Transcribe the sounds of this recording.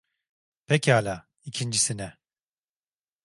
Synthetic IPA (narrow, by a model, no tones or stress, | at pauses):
pʰɛcalʲa | icʰind͡ʒisinɛ